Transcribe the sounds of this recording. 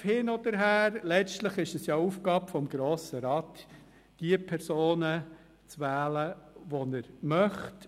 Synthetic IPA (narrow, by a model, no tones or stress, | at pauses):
hɪnod̥̪əɾɦæːɾlɛt͡ʃtləχɪʃɛsjɑufɡɑːbfɔmɡɾoːsəɾɑːt | d̥iəpʰɛɾsoːnə | t͡sʋæːləʋɔnəɾmœχt